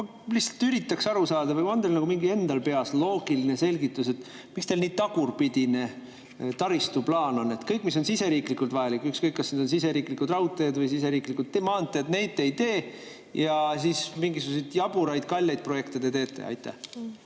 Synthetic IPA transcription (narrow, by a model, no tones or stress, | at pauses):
o | lihtsɑ̥lt̪yɾit̪ːˑɑksɑɾusɑːd̪̥ɑvɯko̞nd̪elnɑɡumiŋɡie̞nd̪ɑlpe̞ɑslo̞ːɡ̥iline̞se̞lʲɡit̪ːˑus̬e̞t̪ː | mikst̪elniːt̪ɑɡ̥urpid̪̥ine̞ | t̪ɑɾist̪uplɑːno̞nːe̞t̪kɤjkːˑmis̬o̞nsise̞ɾiːklikult̪vɑjɑlikːˑykskɤjkːɑsned̪o̞ns̬ise̞ɾiːklikud̪rɑwt̪ːˑed̪vɤjsise̞ɾiːklikult̪ːemɑːnt̪ːˑet̪ne̞jt̪ːe̞jt̪e̞ː | jɑs̬ismiŋɡisuɡus̬ejt̪jɑb̥uɾɑjd̪̥kɑlʲːejd̪̥̚pro̞je̞kt̪id̪et̪e̞ːt̪ːˑe̞̰ɑ̰jt̪ːæ̰